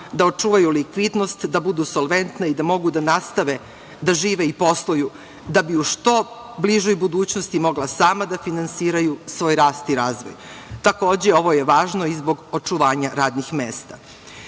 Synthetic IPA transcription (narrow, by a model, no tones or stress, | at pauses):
d̪ao̞t͡ʃuːʋajulikʋid̪no̞st̪d̪abud̪usolˠʋe̞nt̪naid̪amo̞ɡud̪anast̪aʋe | d̪aʒiːʋeipo̞slˠoju | d̪abiuʂt̪o̞ | bliʒojbud̪uːt͡ɕnost̪imo̞ɡlasaːmad̪afinansiːɾajusʋo̞ːjɾaːst̪iɾaːzʋo̰jt̪ako̞ːd͡ʑeo̞ʋo̞jeʋaːʒno̞izbo̞ɡot͡ʂuʋaːɲaɾaːd̪nixmeːst̪a